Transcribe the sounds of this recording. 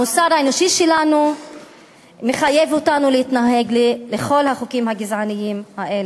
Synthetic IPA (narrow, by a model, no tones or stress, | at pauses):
musadhaenoʃiʃelanu | meχaje̞votanulehitnaɦe̞ɡlleχo̞lhaχukimhaɡizʕanijimhaʔe̞le